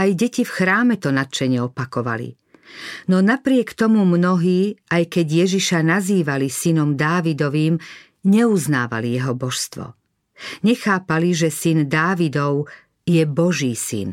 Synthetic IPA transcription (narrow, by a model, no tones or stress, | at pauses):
ajɟɛcifxɾaːmɛt̪ɔnat̪̚t͡ʃɛɲɪɛɔpakɔʋa̰lḭ | nɔnapɾɪɛkt̪ɔmumnɔɦiːʔajkɛɟjɛʒiʃanaziːʋalisinɔmd̪aːʋid̪ɔʋiːm | ɲɛuzna̰ːʋa̰lijɛɦɔbɔʃst̪ʋɔ̰ | ɲɛxaːpaliʒɛsind̪aːʋid̪ɔʊ | jɛbɔʒiːsḭn